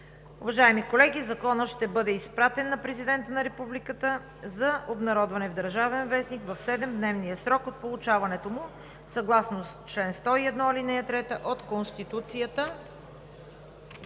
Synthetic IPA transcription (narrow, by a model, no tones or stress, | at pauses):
ʊvɐʒaɛmikolɛɡʲizɐkɔnəʃt̪ɛbɤd̪ɛispɾat̪ɛnːɐpɾɛzid̪ɛnt̪ənɐɾɛpublikət̪ə | zɐobnɐɾɔd̪vɐnɛvd̪əɾʒavɛnvɛsnikvɐfsɛd̪ɛmd̪nɛvnijəsɾɔkot̪̚polˠʊt͡ʃavɐnɛt̪omʊ | sɐɡlˠasnost͡ʃlɛnst̪ɔiɛd̪nɔilinɛɐt̪ɾɛt̪əʔot̪konst̪it̪ut̪sijət̪ə